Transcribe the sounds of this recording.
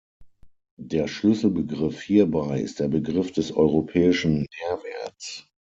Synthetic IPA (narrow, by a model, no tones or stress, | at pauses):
d̥eːɐʃlʏsl̩bəɡʁɪfhiːɐbaɪɪ̰st̚d̥eːɐbəɡʁɪfd̥ɛsɔ̰ʏʁopʰɛːɪʃn̩meːɐvɛɐt͡s